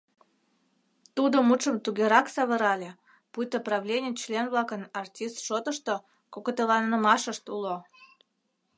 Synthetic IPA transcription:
t̪ud̪omuʃəmt̪uɡʲeɾɑksɑβəɾɑlʲe | put̪ʲːəprɑvlʲenʲit͡ɕlʲenvlɑkənɑrtʲist̪ʃot̪əʃt̪o | kokot̪elɑnːəmɑʃəʃt̪ulo

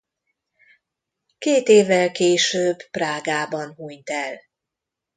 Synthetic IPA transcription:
keːt̪eːvːɛlkeːʃøːbpraːɡaːbɒnɦuɲt̪ɛl

